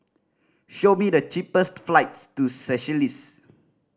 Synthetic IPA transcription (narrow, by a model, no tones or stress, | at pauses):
ʃomidət͡ʃipəstflaɪtstusɛʃəlis